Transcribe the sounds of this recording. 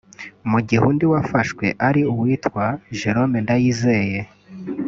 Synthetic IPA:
muɟihuːndiwafaʃkwe̞̰ʔaɾiuwiːtwaʒe̞ɾo̞mendajizeje

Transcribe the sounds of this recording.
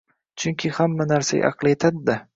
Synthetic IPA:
t͡ʃʰʊŋkʲʰɪhamːanaɾsa̰ja̰ʔɑ̰qʰlˠjet̪ʰad̪ɪd̪a

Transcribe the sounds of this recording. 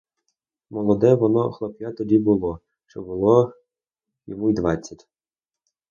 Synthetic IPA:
mɔlˠɔd̪ɛʋɔnɔxlˠɔpjat̪ɔdʲibʊlˠɔ | ʃt͡ʃɔbʊlˠɔ | jɔmujd̪ʋɑt͡sʲːɐtʲ

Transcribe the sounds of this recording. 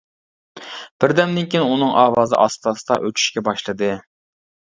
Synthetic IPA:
b̥ɪɾd̪ɛmd̪ɪnkʲinɪunɨŋʔɑːwɑːzɨ̰ʔɑst̪ɑsɨd̪ɑ̰ʔøt͡ʃ̪ʰy̥ʃkʲɛbɑʃlˠɨd̪ɨ

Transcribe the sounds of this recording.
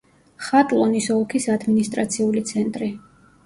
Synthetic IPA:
χat̪ʼlˠɔnisɔlˠkʰisad̪minist̪ʼɾat̪sʰiulit̪sʰɛnt̪ʼɾi

